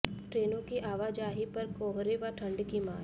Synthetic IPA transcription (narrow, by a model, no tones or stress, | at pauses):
ʈɾeːnõkiʔaːʋaːd͡ʒaːɦipɐɾkoːɦɾeʋaʈʰɐ̃ɳɖkima̰ːl